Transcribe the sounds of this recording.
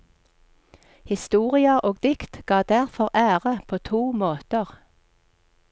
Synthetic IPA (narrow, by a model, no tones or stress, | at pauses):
hɪst̪uːʁɪɑʔoːɡd̪ɪkt̪ɡ̥ɑːd̪̥æʁfɔʁʔæːʁəpʰoːt̪ʰuːmoːt̪əʁ